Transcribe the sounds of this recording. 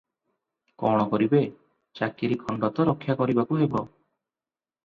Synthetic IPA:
kɔɽ̃ɔkɔɾibe | t͡ʃakiɾikʰɔɳɖat̪ɔɾɔkʰːjakɔɾibakuɦebɔ

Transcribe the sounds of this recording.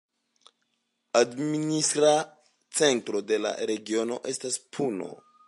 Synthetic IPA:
administɾa | t͡se̞ntɾo̞de̞la̰ɾe̞ɡio̞no̞̰ʔe̞staspʰuno̞̰

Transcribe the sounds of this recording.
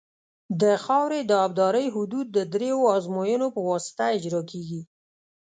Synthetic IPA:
d̪əxɑwɾed̪əɑb̚d̪ɑɾəjɦʊd̪ud̪̚ːəd̪ɾejoɑzmojənopəwɑsɪ̥t̪aɪd͡ʒɾɑkeɡi

